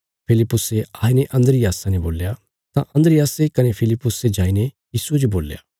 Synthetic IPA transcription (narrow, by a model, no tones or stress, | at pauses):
pʰɪlɪpːʊseaːineʔɐ̃nd̪əɾɪjaːsãneboːlja | t̪ãʔɐ̃nd̪ɾɪjaːsekɐnepʰɪlɪpːʊsed͡ʒaːinejiːsued͡ʒoboːlja̰ː